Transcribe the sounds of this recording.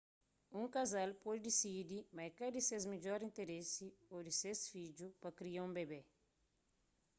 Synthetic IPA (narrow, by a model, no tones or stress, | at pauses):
ũŋkazalpɔd̪d̪isid̪imɐjkɐd̪isezmed͡ʒɔɾĩnt̪eɾesiod̪isesfid͡ʒupɐkɾiaũbebe